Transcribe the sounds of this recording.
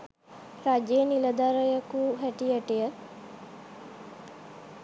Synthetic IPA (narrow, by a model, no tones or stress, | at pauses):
ɾad͡ʒeniləd̪aɾəjəkuɦæʈijəʈijə